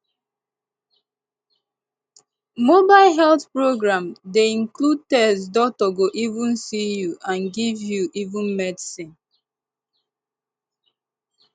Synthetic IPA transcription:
mobaɪlɦɛlθpɹoɡɹãmdeĩŋklud̚tɛsdɔtɔɡoʔivũnsijuʔãnɡivjuʔivũnmɛdsĩn

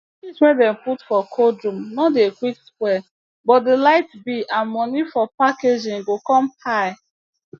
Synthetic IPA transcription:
iswɛ̃ndɛ̃mputfɔkʰodɹũmnɔdekwikskwɛ | bɔt̚delaɪtbiʔãnmɔnifɔpaked͡ʒĩŋɡokɔ̃mhaɪ

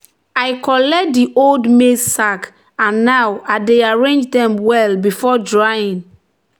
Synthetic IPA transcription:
aɪkɔlɛk̚diʔoldmesak | ãnːawadeaɹẽnd͡ʒdɛ̃mwɛlbifɔdɹajĩn

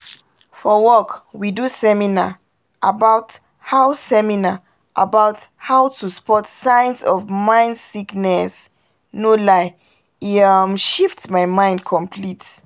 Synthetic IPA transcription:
fɔwɔkwidusɛmina̰ | ʔabat | haʊsɛmina | ʔa̰baʊt | haʊtʰuspɔtsãɪ̃nsɔvmãɪ̃ndsiknɛs | nolaɪ | imʃiftmaɪmãɪ̃ndkʰɔ̃mpʰlit

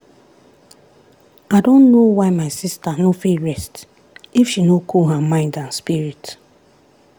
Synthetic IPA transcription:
aɪdõnːowaɪmaɪsistanofilɹɛst | ifʃinokʰolɦamãɪ̃ndãnspiɹit

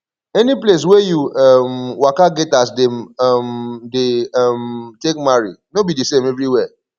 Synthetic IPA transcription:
ɛniples̬wɛjuamwakaɡɛtas̬demmdeamtek̚maɹḭnobidisẽmɛvɹiwɛ

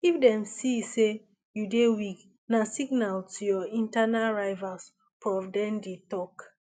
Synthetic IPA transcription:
ifdɛ̃msise | judewik | nasiɡnaltʰujɔĩntanaɹaɪvas | pɹɔfdɛ̃ndetɔk

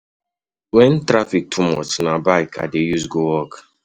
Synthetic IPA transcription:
wɛ̃ntɾafik̚tʰumɔ̰t͡ʃnabaɪkʰa̰dejusɡowɔk

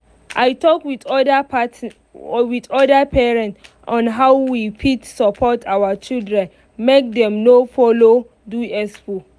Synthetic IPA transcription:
ʔajtɔkwitɔp | witɔdapʰɛɹɛ̃nt | ɔ̃nɦawwipʰitsɔpʰɔtʰawat͡ʃildɹɛ̃n | mek̚dɛ̃mnofɔlo | duɛsfu

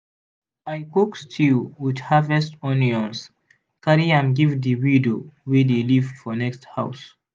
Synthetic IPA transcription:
ajkɔkstʰilwidhavɛstɔniɔ̃ns | kaɾiãmɡivðəwidowedelivfɔnɛksthaʊs

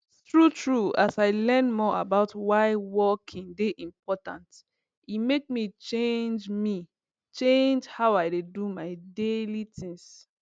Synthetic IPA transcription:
tɹutʰɹuasaɪlɛ̃nmɔa̰baʊtwaɪwɔkʰĩŋdeʔĩmpʰɔtã̰nt | imek̚mit͡ʃẽnd͡ʒmi | t͡ʃẽnd͡ʒhaʊaɪdedumaɪdelitʰĩŋs

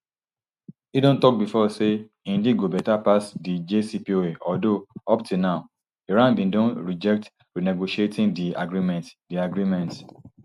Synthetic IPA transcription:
idõntɔk̚bifɔse | ĩndid̚ɡobɛtapasdid͡ʒesipioeʔɔdoɔp̚tunaʊ | eɹãnbĩndõnɹid͡ʒɛk̚t | ɹineɡoʃietʰĩŋdia̰ɡɹimɛ̃ntdiaɡɹimɛ̃nt

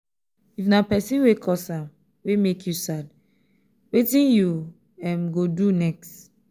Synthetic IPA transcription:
ifnapɛsĩnwekʰɔsam | wemekʰjusad̚ | wetĩnju | ɛ̃mɡodunɛkst

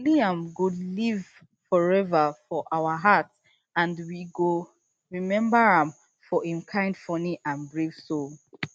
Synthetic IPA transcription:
liãmɡoliv | fɔɹɛvəfɔʔaʊəɦat | ãndwiɡo | ɹimɛ̃mbəɹãm | fɔĩmkʰãɪ̃nd̥fɔniʔãnbɹev̥sol

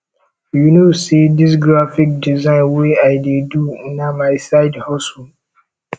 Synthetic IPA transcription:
junosidis̬ɡɾafik̚dizãɪ̃nweaɪdedunamaɪsaɪdhɔsɔ

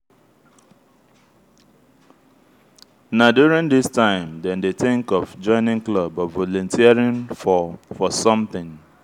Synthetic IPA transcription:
nadjuɹĩndistãɪ̃mdɛ̃ndeθɪ̃ŋkɔvd͡ʒɔ̃ɪ̃nɪ̃ŋklɔbɔvɔlɔ̃ntʰiaɹĩn | fɔsɔ̃mθɪ̃ŋ

